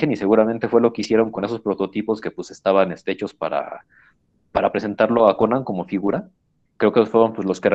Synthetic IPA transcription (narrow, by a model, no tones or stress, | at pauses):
enise̞ɣuɾament̪efwe̞lo̞keisje̞ɾo̞ŋko̞ne̞so̞spɾo̞t̪o̞t̪ipo̞ske̞pwesest̪aβane̞st̪ɾe̞t͡ʃo̞spaɾa̰ | paɾapɾe̞se̞nt̪aɾlo̞akonaŋko̞mo̞fiɣuɾa | kɾe̞okefweɾo̞npwezlo̞sker